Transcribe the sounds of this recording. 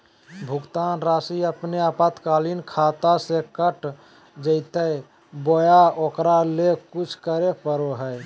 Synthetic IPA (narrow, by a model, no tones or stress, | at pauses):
bʱuɡt̪anɾasiəpneapət̪kalinkʰat̪asekəʈ | d͡ʒəɪt̪əj | bojaokɾalekut͡ʃʰkəɾepəɾoɦəj